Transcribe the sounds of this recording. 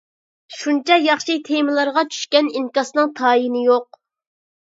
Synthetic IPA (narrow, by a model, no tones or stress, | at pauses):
ʃunt͡ʃʰɑjɑχʃit̪ʰemɨlˠɑɾʁɑt͡ʃʰy̥ʃkʲɛniŋkɑsnɨŋt̪ʰɑːjinɪjoq̚